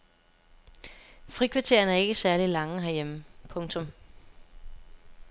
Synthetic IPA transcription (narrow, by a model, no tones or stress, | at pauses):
fʁikʰʋïɐt͡sʰe̝̰ɐnæɐe̝ɡ̥əsæɐlilɑ̈ŋəɦæɐjeməpʰɔ̽ŋt͡sʰɔ̽m